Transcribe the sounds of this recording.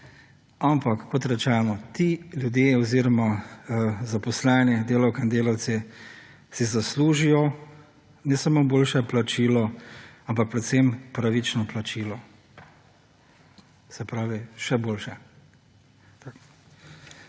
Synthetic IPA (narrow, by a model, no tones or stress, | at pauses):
ampakːɔt̪ɾɛt͡ʃɛːnɔt̪iljud̪jeɔziːɾɔma | zapɔslɛːnjɛd̪eːlawkaind̪eːlawt̪sɛ | sizasluːʒijɔ | nɛsamoboːlʃɛplat͡ʃiːlɔampak̚pɾɛt̪sɛmpɾaʋit͡ʃnɔplat͡ʃiːlɔ | sɛpɾaːʋiʃɛboːlʃɛ